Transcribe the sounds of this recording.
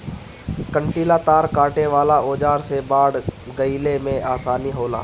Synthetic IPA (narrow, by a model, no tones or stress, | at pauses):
kəɳʈiːlaːt̪aːɾkaːʈeʋaːlaʔoːd͡ʒaːɾsebaːɽɡəilemẽaːsaːniɦoːla̰ː